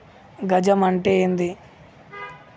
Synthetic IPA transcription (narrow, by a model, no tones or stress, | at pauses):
ɡɐd͡ʒɐmɐɳʈeːnd̪i